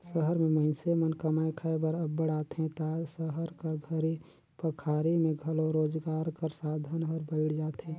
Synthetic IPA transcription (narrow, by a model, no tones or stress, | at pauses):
səɦəɾmẽməɪ̃semənkəmaekʰəebəɾəbːəɽaːt̪ɦɛ̃t̪asəɦəɾkəɾɡʱəɾi | pəkʰaːɾimẽɡʱəloɾoːd͡ʒɡaːɾkəɾsaːd̪ʱənɔːɾbəɪɽd͡ʒaːt̪ɦɛ̃ː